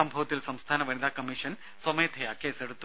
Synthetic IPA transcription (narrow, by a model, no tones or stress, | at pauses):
ambʱɐʋɐt̪ilɐsɐmst̪ʰaːnɐʋɐnid̪aːkɐmiʂɐn | sɐmɐjt̪ʰejaːkeːsɐɽut̪ː